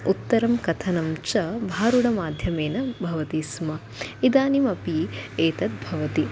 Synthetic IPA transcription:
ut̪ːɐɾɐmkɐt̪ʰɐnɐmt͡ʃɐbʱaːɾuɽɐmaːd̪ʱjɐmeːnɐbʱɐʋɐt̪ismɐ | id̪aːnimɐpieːt̪ɐt̪̚bʱɐʋɐt̪i

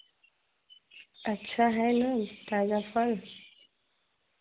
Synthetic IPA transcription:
ətːɕʰaɦɛjnət̪ad͡ʑafəl

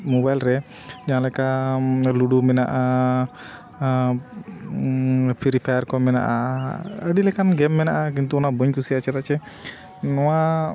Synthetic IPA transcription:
mɔbajlɾɛ | d͡ʒaãlɛkaluɖumɛnaʔa | pʰiɾipʰajaɾkɔmɛna̰ʔaəɖilɛkanɡɛmːɛnaʔak̬int̪uɔnabɔɲkusiat͡ʃɛt̪at͡ʃɛ | nɔwa

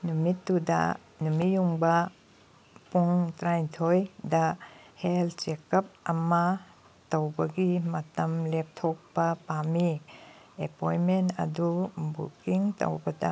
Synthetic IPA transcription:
numitːudɐ̰ | numijuŋbɐ | puŋtɾajtʰojdɐheltsekɐp̚ɐmɐ | towbɐɡimɐtɐmlep̚tʰɔk̚pɐpami | epojmentɐ̰dubṵkiŋto̰wbɐdɐ̰

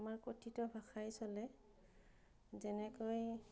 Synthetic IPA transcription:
maɹkotʰitɔbʱaxajsɔlɛ | zɛnɛkoj

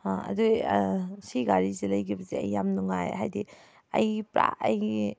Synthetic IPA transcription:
aɐ̰du | siɡaɾizelɐjkʰibɐzeɐ̰jːamnuŋajɦajdi | ɐ̰jpɾa̰ɐji

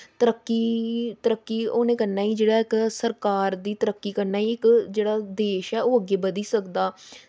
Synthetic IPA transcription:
t̪əɾəkːiːt̪əɾəkːiːoːnẽːkəɾnaːiːd͡ʒeːɽaːɪksəɾkaːɾd̪iːt̪əɾəkːiːkəɾnaːiːɪkd͡ʒeːɽaːd̪eːʃɛːoːəɡːeːbəd̪iːsəkd̪aː

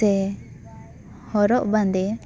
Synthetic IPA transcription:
ɛ | hɔɾɔʔbãnd̪ɛ

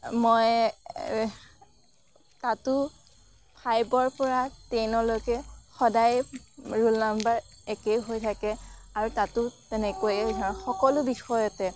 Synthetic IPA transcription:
moj | tatʊ | pʰajbɔɹpɔɹatejnɔlojkɛxɔdajɹulnambaɹ | ɛkejɦojtʰakɛaɹutatʊtɛnɛkojɛtʰaxɔkɔlʊbixɔjɔtɛ

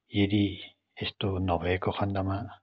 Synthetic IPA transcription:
jeɾi | estunɔbekɔxʰand̪ama

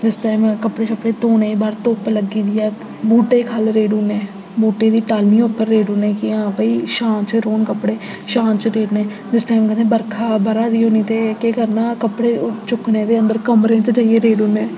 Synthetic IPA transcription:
d̪ɪsʈaːɪmkəpɽeːt͡ʃəpːɽeːt̪oːneːiːbaːɾt̪oːpləɡiːd̪ijaː | buːʈeːkʰalɾeːɖuːneː | buːʈeːd̪iːʈaːlniːʊpːəɾːeːɖuːnɛ̃ːkɪãːpəiːʃãːnt͡ʃəɾoːnkəpɽeː | ʃãːnt͡ʃɾeːɖnɛː | t̪ɪsʈaːɪmkəẽːbəɾkʰaːbəɾaːɾiːoːniːt̪eːkeːkəɾnaːkəpɽeːt͡ʃʊknẽːd̪eːənd̪əɾkəmɾẽːt̪ed͡ʒaːieːɾeːɖuːnẽː

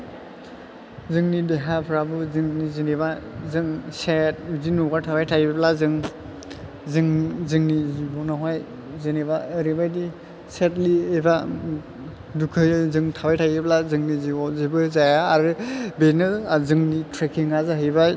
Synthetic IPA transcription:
zɯŋnideɦapʰɾabɯzɯŋniziniβazɯŋset̚zinuɡatʰabajtʰajblazɯŋ | zɯŋzɯŋnizibɔnaɦaj | zinibaɯɾibajdi | set̚lieba | dukʰɯjzɯŋtʰabajtʰajiblazɯŋnizibɔzibɯzajaːɾɯbenɯzɯŋnitʰɾekʰiŋazaɦɯjbaj

